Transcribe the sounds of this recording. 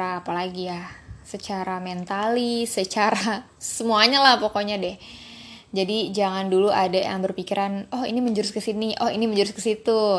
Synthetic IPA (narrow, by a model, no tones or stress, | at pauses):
aːpalaɡijahsət͡ʃaɾamɛnt̪alisət͡ʃaɾa | səmuaɲalahpokoɲadɛh | d͡ʒadid͡ʒaŋanduluʔadaja̰ŋbərpikiɾʔanɔhḭniməɲd͡ʒuɾʊskəsiniʔɔhḭniməɲd͡ʒuɾʊskəsit̪u